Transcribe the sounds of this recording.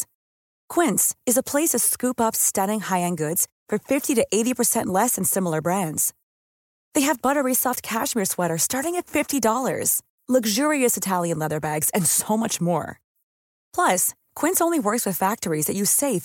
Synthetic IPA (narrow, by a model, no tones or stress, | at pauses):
kʰw̥ɪ̃ntsɨzəpʰl̥eɪsʌv̥skʉpʌpstʌɾɪ̃ŋhaɪɨ̃nɡʊdz̥ | fə˞fɪftiɾɨʔeɪɾipʰə˞sɛ̃nʔlɛsɨ̃nsɪ̃ml̩ˠə˞bɹæ̃ndz̥ | ðeɪɨvbʌɾə˞isɑft̚kʰæʃmiɹswɛɾə˞stɑɹɾɪ̃ŋɨtfɪftidɔlˠə̰˞z̥ | lʌɡʒʊɹiɨsɨtʰælˠjɨ̃nlɛðə˞bæɡz̥ɨ̃nsoʊmʌt͡ʃmɔ̰ɹ | pʰl̥ʌs | kʰw̥ɪ̃ntsõʊ̃nliwɜ˞kswɨð̥fæk̚tə˞izðɨt͡ʃɨseɪf